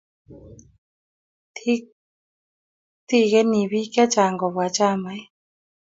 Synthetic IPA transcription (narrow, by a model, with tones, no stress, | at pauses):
tʰi˦ | t̪i˦˧˨ɣe˧˦ni˨bi˦kɛ˦t͡ʃaː˨ŋɡɔ˨bwa˨˦t͡ʃa˦˧˨ma˨˦j